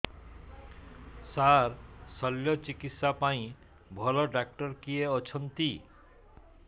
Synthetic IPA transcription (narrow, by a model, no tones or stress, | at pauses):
saɾsʌljɔt͡ʃikit̪sapaĩ | bʱɔlɔɖak̚ʈɔɾkijeɔt͡ʃʰɔnt̪i